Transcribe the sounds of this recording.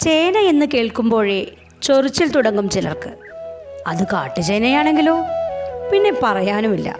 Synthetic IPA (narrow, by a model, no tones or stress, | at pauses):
t͡ɕeːnɐe̞nːɨke̞ːɭkumbo̞ːɻe | t͡ɕorit͡ɕːilt̪uɽɐŋɡumt͡ɕilɐ̰rkɨ | ɐðɨka̰ːʈːɨt͡ɕejnɐjaːɳe̞ŋɡilo̞ːpinːe̞pɐrɐjaːnumilːɐ̰